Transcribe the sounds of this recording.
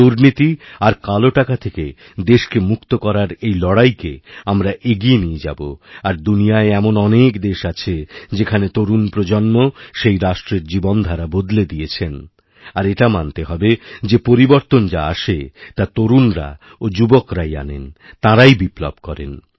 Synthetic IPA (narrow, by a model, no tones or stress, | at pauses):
uɾnit̪iaɾkaloʈakat̪ʰeke | d̪eʃkemukt̪okɔɾaɾejlɔɽajkeamɾaʔeɡienied͡ʑa̰bo̰aɾd̪unijaeɛmonɔnekd̪eʃat͡ɕʰed͡ʑekʰanet̪oɾunpɾod͡ʑonmoʃejɾaʃʈɾeɾd͡ʑibond̪ʱaɾabod̪led̪ijet͡ɕʰen | aɾeʈamant̪eɦɔbed͡ʑepoɾiboɾt̪ond͡ʑa̰aʃet̪at̪oɾunɾa̰ | od͡ʑubokɾaja̰nḛnt̪ãɾajbiplo̰b̚kɔɾḛn